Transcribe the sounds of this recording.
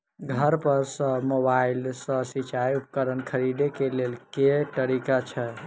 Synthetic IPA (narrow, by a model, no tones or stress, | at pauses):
ɡʱəɾpəɾsə̃mobailsə̃sit͡ʃajup̚kəɾənkʰəɾiɖekelelket̪əɾikat͡ʃʰɛ